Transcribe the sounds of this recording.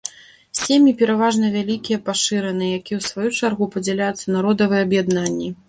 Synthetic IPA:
sʲemʲipʲɛɾavaʐn̪ɐvʲalʲikʲijɐpaʂɨɾɐnɨjɛjakʲijɛwsvajut͡ʂarɣupɐd͡zʲɛlʲajut̪sːɐnaɾɔd̪ɐvɨjɛɐbjad̪nanʲːi

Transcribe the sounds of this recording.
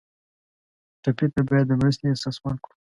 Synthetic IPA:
ʈapet̪abɑjad̪ːəmɾast̪easɑsmɑnkɽu

